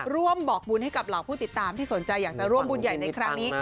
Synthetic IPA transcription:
ɾu˥˩əmbɔː˨˩k̚bu˧nha˥˩jka˨˩p̚laː˨˦wpʰuː˥˩t̪i˨˩t̪ːaː˧mt̪ʰiː˥˩so˨˩˦nt͡ɕa˧jːaː˨˩k̚t͡ɕa˨˩ɾu˥˩əmbu˧nja˨˩jna˧jkʰɾa˦˥ŋniː˦˥

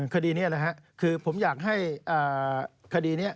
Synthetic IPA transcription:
kʰa˧diː˧ni˥ɐla˧˦˩ɦɛ˦˥ʔkʰɯː˧pʰo˩˦mjaː˨˩k̚ɦa˥˩jʔaː˨˩kʰa˧diː˧ni˦˥˩ɐ

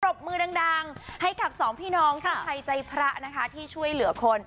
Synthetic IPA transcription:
o˨˩p̚mɯː˧da˧ŋdaː˧ŋha˥˩jka˨˩p̚sɔː˩˦ŋpʰiː˥˩nɔː˧˥ŋk̪ʰa˥˧˩pʰa˧jt͡ɕa˧jpʰɾa˦˥ʔna˦˥kʰa˦˥t̪ʰiː˥˩t͡ɕʰu˥˩əjlɯ˨˩˦ɐkʰo˧n

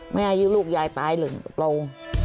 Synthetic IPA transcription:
ma˧˥˩ʔa˧juː˦luː˥˩k̚jaː˧jpaː˧˩jlɯ˨˩˦ŋ˨˩plo˧ŋ

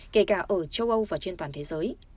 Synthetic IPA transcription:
ke˧˩kaː˧˩ʔəː˧˩t͡ɕə˧wʔə˧wvaː˨˩t͡ɕe˧nt̪waː˨˩nt̪ʰe˨˦zəː˨˦j

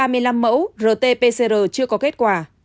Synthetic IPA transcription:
aː˧mɨ˧əjla˧mːə̰˧˥wzəː˨˩t̪e˧pe˧se˧zəː˨˩t͡ɕɨ˧əkɔ˨˦ke˦˥t̚kwaː˨˩

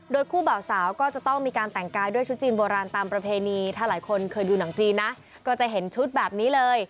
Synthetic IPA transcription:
doː˧jkʰuː˥˩baː˨˩wsaː˩˦wkɔː˥˩t͡ɕa˨˩t̪ɔ˥˩ŋmiː˧kaː˧nt̪ɛ˨˩ŋkaː˧jdu˥˩əjt͡ɕʰu˦˥t̪̚t͡ɕiː˧nboː˧ɾaː˧nt̪aː˧mpɾa˧pʰeː˧niː˧t̪ʰaː˥˩laː˩˦jkʰo˧nkʰɤː˧jduː˧na˩˦ŋt͡ɕiː˧nːa˦˥ʔ | kɔː˥˩t͡ɕa˨˩ɦe˩˦nt͡ɕʰu˦˥t̪̚bɛː˨˩p̚niː˦˥lɤː˧j

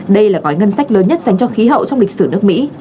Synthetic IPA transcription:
ɗə˧jlaː˨˩ɣɔ˨˦jŋə˧nsa˦˥jk̟̚ləː˨˦nɲə˦˥t̚sa˨˦ŋ̟t͡ɕɔ˧xi˨˦ɦə̰˧˨wt͡ɕɔ˧wŋ͡mli˨˩k̚sɨ˧˩nɨ˦˥ək̚mḭ˧˥

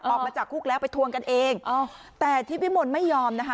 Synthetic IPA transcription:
ʔɔː˨˩ma˧t͡ɕa˨˩kʰːu˥˩k̚lɛː˦˥wpa˧jt̪ʰu˧ənka˧nʔeː˧ŋʔ | t̪ɛː˨˩t̪ʰiː˦˥˩wi˦˥mo˧nma˥˩jːɔː˧mna˦˥kʰa˦˥

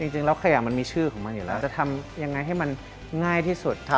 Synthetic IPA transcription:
t͡ɕi˧ŋt͡ɕi˧ŋlɛː˧˥wkʰa˧ja˨˩ma˧nmiː˧t͡ɕʰɯː˥˩kʰɔː˩˦ŋma˧njuː˨˩lɛː˦˥˩wt͡ɕa˨˩t̪ʰa˧mja˧ŋːa˧jɦa˥˩jma˧n | ŋaː˥˩jt̪ʰiː˥˩su˨˩t̪̚ʰ

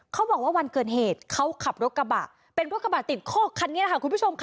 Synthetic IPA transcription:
kʰa˦˥wɔː˨˩k̚waː˥˩wa˧nkɤː˨˩n̚heː˨˩t̪̚kʰa˦˥wkʰa˨˩p̚ɾo˦˥t̪̚ka˧ba˨˩ | pe˧nɾo˦˥kːa˧baː˨˩t̪ːi˨˩t̪̚kʰɔː˥˩kʰa˧ni˦˥la˦˧kʰa˥˩ku˧nbʰu˦˥t͡ɕʰo˧mkʰ

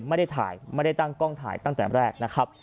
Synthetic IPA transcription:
ma˥˩jda˥˩jt̪ʰa̰ː˩˦jma˥˩jda˥˩jt̪a˥˩ŋkɔː˥˩ŋt̪ʰa̰ː˩˦jt̪a˥˩ŋt̪ɛː˨˩ɾɛː˥˩k̚na˦˥kʰɾa˦˥p̚

